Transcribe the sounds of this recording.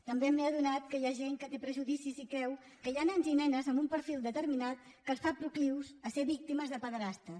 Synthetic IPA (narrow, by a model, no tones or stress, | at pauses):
t̪əmbemeəðunat̪̚kəjaʒeŋkət̪epɾəʒuðisizikɛw | kəjanənzinɛnəzəmbumpəɾfilˠd̪ət̪əɾminat̪kəsfapɾukliwzəseβik̚t̪iməzðəpəðɾast̪ə